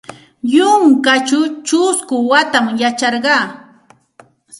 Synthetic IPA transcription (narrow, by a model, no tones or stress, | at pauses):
jʊŋkat͡ʃʊt͡ʃʊskʊwat̪amjat͡ʃɑɾɢɑː